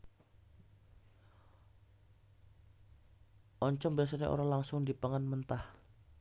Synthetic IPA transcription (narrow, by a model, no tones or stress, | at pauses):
ʔɔɲt͡ʃɔŋbias̬ɔɲa̰ʔo̰ɾaŋlaŋsʊŋdipəŋənmənt̪ah